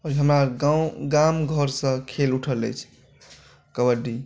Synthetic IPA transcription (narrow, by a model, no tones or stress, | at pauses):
ɔɾɦəmɾaɡawɡamɡʱəɾsə̃kʰeluʈʰələjt͡ʃʰ | kəwəɖi